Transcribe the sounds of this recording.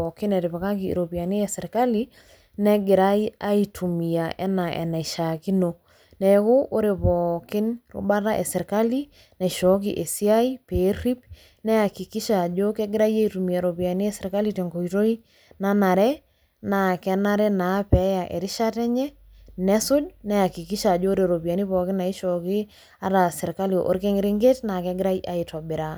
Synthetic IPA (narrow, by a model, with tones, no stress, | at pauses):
ɔkɪ˦nɛ˨ɾɪ˨βa˨ka˦kḭ˨ɾo˨pi˨a˨ni˦ɛ˨sɛ˨ɾka˦li˦ | nɛ˦ɡɪ˨ɾa˦i˦a˦itʰu˨mi˨a˨ʔɛ̰˦na˨ʔɛ̰˨na˨i˨ʃa˨ki˦no˨ | nɛ˨ko˦ʔo˦ɾe˨pɔːkɪ˦nɾʊ̰˦ba˦ɾa˦ʔɛ˨sɛ˨ɾka˦li˦ | nɛ˨ʃɔ˨˦ki˨ʔe˨si˦a˦i˦pe˨˦ɾi˦p | nɛ˦a˨ki˨ki˦ʃa˨d͡ʒo˦kɛ˦ɡɪ˦ɾa˦je˦˨tu˨mi˨e˨ɾo˨bi˨a˨ni˦ɛ˦sɪ˨ɾka˦li˦tɛ˨ŋɡo˨jto˦i˦ | na˦na˨ɾɛ˦ | na˨kɛ˦na˦ɾɛ˦na˨˦pɛ˨˦ja˨ʔḛ˨ɾɪ˦ʃa˦tɛ˦ɲɛ˦ | nɛ˦sʊ˦dnɛ˦a˨ki˨ki˦ʃa˨d͡ʒoː˦ɾe˨ɾo˨bi˨a˨ni˦pɔ˨kɪ˦na˨i˦ʃɔ˨kɪ˦ | a˦ɾa˨sɪ˨ɾka˦li˨ʔo̰˦ɾke˦ŋɪ˦ɾɪ˦ŋɡe˦tna˨kɛ˦ɡɪ˦ɾa˦jʔa˨i˨tɔ˨bɪ˨ɾa˨